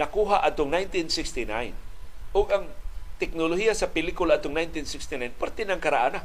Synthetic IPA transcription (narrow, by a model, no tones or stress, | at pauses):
nɐkuːɦaʔɐt̪ʊŋnajnt̪ɪnsɪkst̪ɪna̰jnʔʊɡɐŋt̪ɛk̚nolohijasɐpɪlikʊlaʔat̪ːʊŋnajnt̪ɪnsɪkst̪ɪnajnpaɾt̪ɪnɐŋkɐɾaʔana